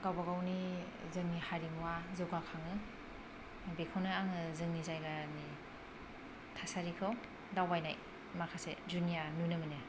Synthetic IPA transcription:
kawbaɡawni | zɯŋnihaɾimuwazɯwɡakʰaŋɯ | bekʰawnɯaŋɯzɯŋnizajɡani | tʰasaɾikʰɯw | dawbajnaj | makʰased͡ʒunijanunɯmɯnɯ

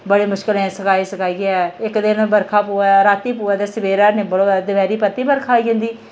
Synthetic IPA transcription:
bəɽeːmʊʃkɪlẽsəkaːisəkaːiːɛɪkd̪ɪnbəɾkʰaːpuːaɾaːt̪iːpuːaːd̪esɪbeːɾaːnẽːbəɽod̪ɪʋɛːɾiːpət̪ːiːbəɾkʰaːiə̃nd̪iː

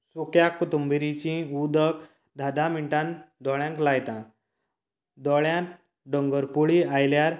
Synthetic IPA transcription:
tukjakːut̪umbiɾit͡ɕĩud̪ək | d̪ʱad̪amiɳʈãnd̪ɔɭjãŋklajt̪ã | d̪ɔɭjãn | ɖɔŋɡəɾpuɭiajljaɾ

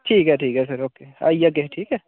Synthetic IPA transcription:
ʈʰiːkɦɛʈʰiːkɦɛs̬əɾoːkeːa̰ijɐk̬ːeʈʰiːkɛ

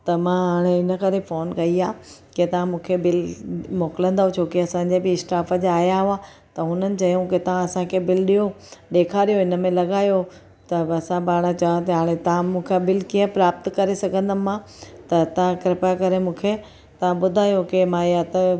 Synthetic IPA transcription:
t̪ɐmãɦaːɽ̃eɪnə̆kɐɾefoːnkɐiaːket̪ɐʋãmũːkʰebɪlmoːkɪlə̃nd̪aũt͡ɕʰoːkeɐsãːɲd͡ʑebɪɪsʈaːfəd͡ʑaːɦjaɦʊaː | t̪ɐɦʊnənɪ̆t͡ɕɐjõkɪt̪ɐʋ̤ãɐsãkʰebɪlɗijo | ɗeːkʰaːɾijoɪnə̆mẽlɐɡaːjo | t̪ɐɐsãbaːɽ̃at͡ɕaõt̪ɐɦaːɽ̃et̪ɐʋ̤ãmũːkʰebɪlkiːə̃pɾaːp̚t̪kɐɾesɐɡʱə̃nd̪əmːã | t̪ɐt̪ɐʋ̤ãkɪɾɪpaːkɐɾemũːkʰe | t̪ɐʋ̤ãɓʊd̪ʱaːjokemãjat̪ɐ

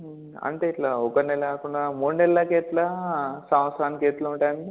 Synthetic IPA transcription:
ɐ̰ɳʈe̞ːiʈlaːɔkɐnɛlɐkaːkuɳɖamuːɽunɛlɐːɐkeːt̪lɐsɐmɐsɐɾaːnikeːt̪lɐuɳʈaːjɐni

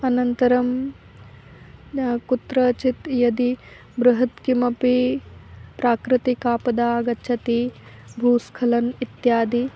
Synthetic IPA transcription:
ɐnɐnt̪ɐɾɐm | kut̪ɾɐt͡ʃit̪jɐd̪i | bɾɐɦɐt̪kimɐpi | pɾaːkɾɪt̪ikaːpɐd̪aːɡɐtːʃʰɐt̪ibʱuːskʰɐlɐnit̪jaːd̪i

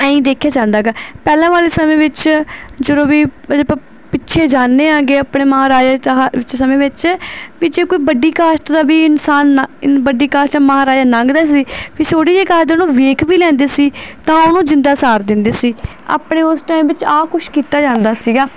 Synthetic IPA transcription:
əĩːd̪eːkʰjaːd͡ʒãːnd̪aːɡaːpɛːlãːʋaːleːsəmẽːʋɪt͡ʃd͡ʒəd̪oːʋiːd͡ʒeːpː | pɪtːʃʰeːd͡ʒaːnːeːãːɡeːapɽeːmaːɾaːd͡ʒaːʋɪt͡ʃsəmẽːʋɪt͡ʃʋiːd͡ʒeːkoːiːbəɖiːkaːsʈd̪aːbiːɪnsaːnbəɖiːkaːsʈaməɦaːɾaːd͡ʒaːnãŋɡd̪aːsiːpiːsʰoːɽiːd͡ʒeːkaːd̪enũːʋeːkʰʋiːlɛ̃ːnd̪eːsiːt̪ãːʊnũːd͡ʒɪnd̪aːsaːɾd̪ɪnd̪eːsiː | a̰ːpɳeːʊsʈaːimʋɪt͡ʃaːkʊʃkiːt̪aːd͡ʒãːnd̪aːsiːɡaː

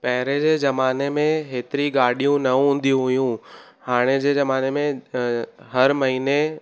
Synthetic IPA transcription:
pɐɦɪɾed͡ʑeːzɐmaːnemẽɦeːt̪ɪɾiɡaːɽijũnɐɦũːn̆d̪ijũɦʊjũ | haːɽ̃ed͡ʑeːzɐmaːnemẽ | ɦɐɾmɐɦiːne

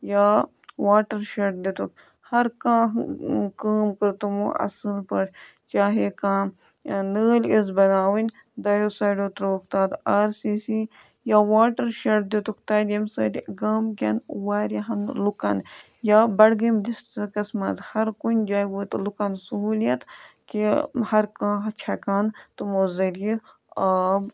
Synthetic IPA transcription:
jaː | waːʈɐɾʃeʈd̪it̪uk̚ | hɐɾkãːɦkaːmkɨɾt̪umṵɐ̰sɨnpɐɾ | t͡ʃaːɦekãːm | nəːlʲezbɐnaːwinʲ | d̪ɐjosaːjɖoːt̪ɾɐʋɐkt̪aːd̪aːɾsiːsi | jaːwaːʈɐɾʃɐɽd̪ut̪ukt̪aːd̪ʲjɐmsəːd̪iɡaːmkʲɐnwaːɾɐɦɐnlukɐn | jaːbɐɽɡimd̪isʈɐkɐsmɐzhɐɾkunʲd͡ʒaːjwoːt̪lukɐnsuɦuːlijɐt̪kihɐɾkãːɦɐt͡ʃʰɐkaːnt̪umoːzɐɾi | ɐb

